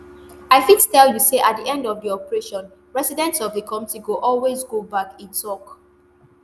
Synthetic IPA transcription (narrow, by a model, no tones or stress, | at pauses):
aɪfitstɛljuseʔat̚diʔɛ̃ndɔvdiɔpəɹeʃɔ̃n | ɹɛsidɛ̃ntsɔvðəkʰɔ̃mtiɡoʔɔlwezɡobakĩntʰɔk